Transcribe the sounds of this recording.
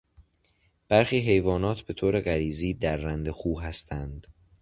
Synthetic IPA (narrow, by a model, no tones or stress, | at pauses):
b̥æɾxiːɦe̞jvɒːnɒːt̪ʰbe̞t̪ʰoːɾe̞ɢæɾiːziːd̪æɾːænd̪exuːɦæst̪ʰænd̪̥